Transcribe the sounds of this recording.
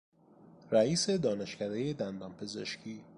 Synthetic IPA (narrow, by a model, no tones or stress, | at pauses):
ɾæiːse̞d̪ɒːne̞ʃcʰæd̪e̞jed̪ænd̪ɒːmpʰe̞ze̞ʃcʰiː